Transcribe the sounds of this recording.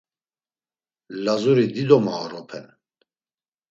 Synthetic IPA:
lazuɾid̪id̪ɔmaːɾɔpʰɛn

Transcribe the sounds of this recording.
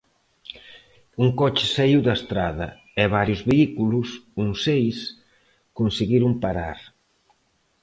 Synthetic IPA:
uŋkɔt͡ʃɪ̥saiwd̪ɐst̪ɾaðɐ̰ | ɛβaɾjʊzβeikulʊsuŋsejs | konsiɣiɾʊmpaɾaɾ

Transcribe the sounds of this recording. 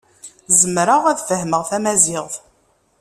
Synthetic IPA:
zəmɾəʁæðfəhməʁθæmæzɪʁð

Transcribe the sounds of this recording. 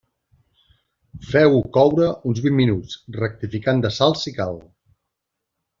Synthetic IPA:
fɛwkɔwɾəunzβimmːinut͡srək̚t̪ifikand̪əsalˠsikal

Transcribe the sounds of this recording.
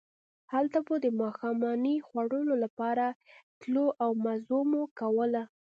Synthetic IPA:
halt̪abod̪əmɑxɑmɑnixwaɽəlolapɑɾat̪loʔawmazomokawəla

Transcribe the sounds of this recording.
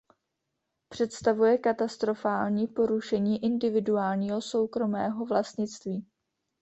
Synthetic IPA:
pr̝̥ɛt̪st̪avujɛkat̪ast̪ɾo̞faːlɲiːpo̞ɾuʃɛɲiːʔɪndɪvɪduaːlɲiːɦo̞so̞wkɾo̞mɛːɦo̞vlast̪ɲɪt͡st̪viː

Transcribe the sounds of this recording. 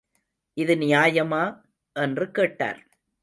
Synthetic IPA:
ʔɪðɯnɪjaːjɐmaː | ʔɛndrɯkeːʈːa̰ːɾ

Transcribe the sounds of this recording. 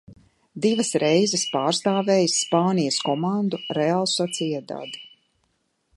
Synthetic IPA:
d̪ivɐsɾʔɛjzɛspaːɾst̪aːvɛːjsːpaːnijəskɔmand̪uɾɛalˠsɔt̪sijɛd̪a̰d̪i̥

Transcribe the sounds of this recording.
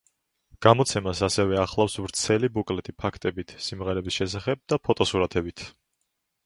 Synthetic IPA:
ɡ̥amɔt̪sʰɛmasasɛvɛaχlˠafsvɾt̪sʰɛlibukʼlɛt̪ʰipʰakʰt̪ʼɛbit̪ʰsimʁɛɾɛbisʃɛsaχɛb̚d̪apʰɔt̪ʼɔsuɾat̪ʰɛbit̪ʰ

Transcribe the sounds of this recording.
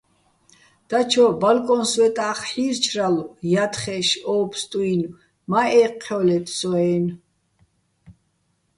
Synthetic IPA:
d̪̥at͡ʃʰɔbalkʼɔnswɛt̪ʼaχħiɾt͡ʃʰraljat̪ʰχɛʃɔːpst̪ʼuin | maɛqʰːɔlɛt̪ʰsɔɛn

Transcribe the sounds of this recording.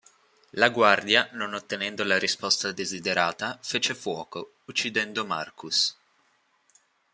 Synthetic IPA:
laɡward̪janonot̪ːenɛnd̪olaɾispɔst̪ad̪ezid̪eɾaːt̪afet͡ʃefwɔːko | ut͡ʃːid̪ɛnd̪oma̰rkʰus

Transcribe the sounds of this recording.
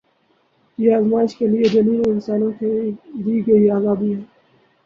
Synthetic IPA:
jeaːzmaːɪʃkeliebɐniːnɪnsaːnõked̪iːɡɐiaːɡaːbiɦɛː

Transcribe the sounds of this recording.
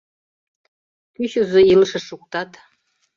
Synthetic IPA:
kyɕuzoilʃɘ̆ʂukt̪ɑt̪

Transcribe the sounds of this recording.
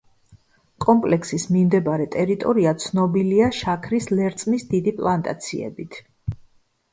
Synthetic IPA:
kʼɔmpʼlɛkʰsismimd̪ɛbaɾɛt̪ʼɛɾit̪ʼɔɾiat̪sʰnɔbiliaʃakʰɾislɛɾt̪sʼmisd̪id̪ipʼlˠant̪ʼa̰t̪sʰḭɛ̰bit̪ʰ

